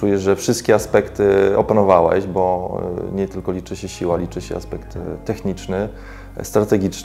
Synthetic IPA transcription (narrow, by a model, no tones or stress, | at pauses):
ujɛʐɛfʂɘst̪̚kʲɛaspɛkt̪ɘɔpanɔvawɛ̰ʑbɔɲɛt̪ɘlkɔlʲit͡ʂɘɕɛɕiwalʲit͡ʂɘɕɛ̰ʔa̰spɛkt̪ːɛxɲit͡ʂnɘ | st̪ɾat̪ɛɡʲit͡ʂn